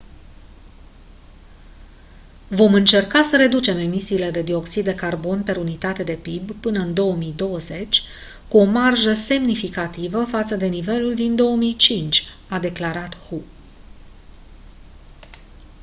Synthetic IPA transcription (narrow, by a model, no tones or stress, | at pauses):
vo̞mɨnt͡ʃe̞rkasəɾe̞d̪ut͡ʃe̞me̞misiːle̞d̪e̞d̪io̞ksid̪̚ːe̞karbo̞npeɾunit̪at̪e̞d̪e̞pibpɨnəɨnd̪o̞əmijd̪o̞wəze̞t͡ʃʲ | kuo̞marʒəse̞mnifikat̪ivəfat̪səd̪e̞nive̞luld̪ind̪o̞əmijt͡ʃint͡ʃʲ | ad̪e̞klaɾat̪hu